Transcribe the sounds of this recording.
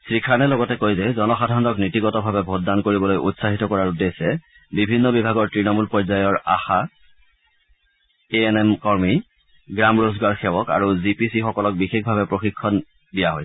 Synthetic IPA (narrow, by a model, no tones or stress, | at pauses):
sɹikʰanɛlɔɡɔtɛkojzɛzɔnɔxadʱaɹɔndɔknitiɡɔtɔbʱabɛbʱod̚dankoɹibɔlojʔṵtsaɦitɔkɔɹaɹudesɛ | bibʱinːɔbibʱaɡɔɹtɹinɔmulpɔɹzajɔɹa̰xa | eɛnɛmkɔɹmi | ɡɹamɹozɡaɹxɛwɔka̰ɹuzipisixɔkɔlɔk̚bixek̚ʰbʱabɛpɹoxikʰːɔn | dijaɦɔj